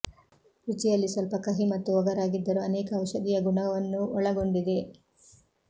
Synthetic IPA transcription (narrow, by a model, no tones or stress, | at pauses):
ɾut͡ʃijɐlːisɐlpɐkɐɦimɐt̪ːuʋɐɡɐɾaːɡid̪ːɐɾuɐnɛːkɐːwʃɐd̪ijɐɡuɳɐɐʋɐnːuɔɭɐɡo̞ɳɖid̪e̞